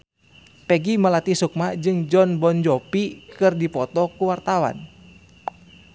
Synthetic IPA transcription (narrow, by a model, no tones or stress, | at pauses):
pɛɡiməlat̪isuk̚mad͡ʒɨŋd͡ʒɔnbɔnd͡ʒɔpikɨrdipɔt̪ɔkuwart̪awa̰n